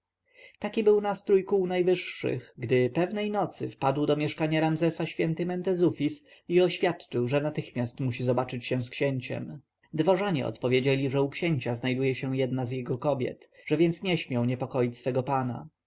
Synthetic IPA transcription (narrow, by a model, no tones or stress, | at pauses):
t̪akʲibɘwnast̪ɾujkuwnajvɘʂːɘ̰xɡd̪ɘpɛvnɛjnɔt̪sɘ̰fpad̪wd̪ɔmʲjɛʂkaɲaɾamzɛsaɕfʲjɛnt̪ɘmɛnt̪ɛzufʲis | iɔɕfʲjat̪t͡ʂɘwʐɛnat̪ɘxmʲjast̪muɕizɔbat͡ʂɘt͡ɕɕɛw̃skɕɛɲt͡ɕɛ̰m | d̪vɔʐaɲɛ̰ʔɔ̰t̪pɔvʲjed͡ʑelʲiʐɛukɕɛɲt͡ɕaznajd̪ujɛɕɛw̃jɛd̪nazjɛɡɔkɔbʲjɛ̰t̪ʐɛvʲjɛnt̪sɲɛɕmʲjawɲɛpɔkɔjit͡ɕʲsfɛɡɔpana̰